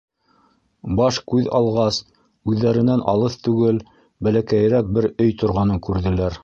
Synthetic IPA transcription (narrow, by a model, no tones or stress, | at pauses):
bɑʃkʉðɑ̰lˠʁɑs | ʉðːæɾɘ̆nænʔɑ̰lˠɤθt̪ʉɡɘl | bælækæj̆ɾæk̚bɘɾɵjt̪ŏɾʁɑnɤŋkʉɾðɘ̆læɾ